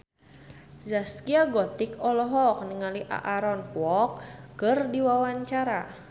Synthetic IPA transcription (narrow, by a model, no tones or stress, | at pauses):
zaskiaɡɔt̪ikɔlɔɦɔk̚nəŋaliʔa̰ʔaɾɔnkwɔkːɨrdiwawaɲt͡ʃaɾa